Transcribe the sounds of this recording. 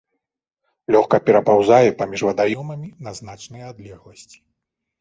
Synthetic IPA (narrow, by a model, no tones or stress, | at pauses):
lʲɔxkɐpʲɛɾɐpawzajɛpamʲiʐvɐd̪ajɔmɐmʲinɐzn̪at͡ʂnɨjɐad̪lʲɛɣlˠɐsʲt͡sʲi̥